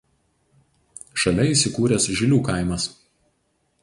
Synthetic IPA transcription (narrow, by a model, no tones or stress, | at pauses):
ʃɐlʲɛiˑsʲɪkuːɾʲɛsʒʲɪlʲuːkɑˑɪmɐs